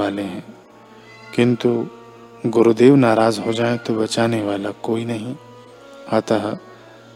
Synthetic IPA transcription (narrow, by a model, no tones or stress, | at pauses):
aːleɦɛ̃ː | kɪ̃nt̪u | ɡʊɾud̪eːʋnaːɾaːzɦod͡ʒaːet̪obɐt͡ʃaːneʋaːlakoːinɐɦĩ | ɦaːt̪aɦɛː